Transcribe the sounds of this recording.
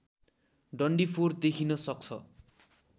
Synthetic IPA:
ɖʌɳɖipʰoɾd̪ekʰinɔsɔk̚sʰʌ

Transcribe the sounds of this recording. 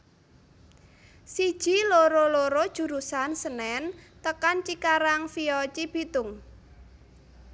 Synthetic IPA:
sid̥ʒ̥i̤loɾoloɾod̥ʒ̥ṳɾusansənɛnt̪əkant͡ʃikaɾaŋfiɔt͡ʃib̥it̪ʊŋ

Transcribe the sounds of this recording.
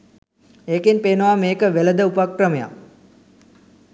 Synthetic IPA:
eːkinpeːnəʋaːmeːkəʋeləd̪əupakrəməja̰

